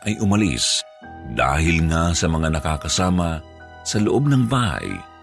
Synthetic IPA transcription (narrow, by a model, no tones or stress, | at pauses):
ʔɐjʔʊmɐlḭs | d̪a̰ːhɪlŋasɐmɐŋanɐkakɐsaːmɐ | sɐloʔob̚nɐŋbaːha̰j